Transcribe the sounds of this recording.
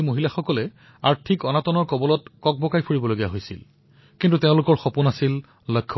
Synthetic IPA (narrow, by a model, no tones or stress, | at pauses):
moɦilaxɔkɔlɛ | aɹtʰikɔnatɔnɔɹkɔbɔlɔtkɔk̚bɔkajpʰuɹibɔloɡijaɦojsḭl | kintuteʊ̃lʊkɔɹxɔpunasil | lɔjkʰːɔ